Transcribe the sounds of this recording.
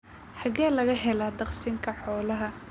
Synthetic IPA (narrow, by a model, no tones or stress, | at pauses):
ħɐɣaːlɐɣɐɦɛlad̪ɐqsiːŋkʰɐħɔːlɐɦɐ